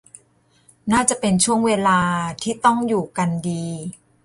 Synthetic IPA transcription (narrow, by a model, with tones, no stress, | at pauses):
naː˥˩t͡ɕa˨˩pe˧nt͡ɕʰu˥˩əŋweː˧laː˧t̪ʰiː˥˩t̪ɔ˥˩ŋjuː˨˩ka˧ndiː˧